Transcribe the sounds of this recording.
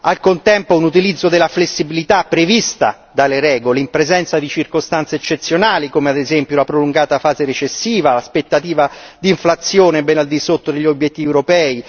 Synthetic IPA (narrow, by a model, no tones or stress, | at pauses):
alkont̪ɛmpounut̪ilid̪zːod̪elːaflesːibilit̪apːɾevist̪a̰ | d̪aleɾɛːɡoleimpɾezɛnt̪sad̪it͡ʃirkost̪ant̪seːt͡ʃːet̪sːjonaːlikomead̪ezɛmpjolapɾoluŋɡaːt̪afaːzeɾet͡ʃesːiːvalaspet̪ːat̪iːvad̪iːɱflat̪sjoːnebɛnald̪isot̪ːod̪eʎːiobjet̪ːivɛuɾopɛːi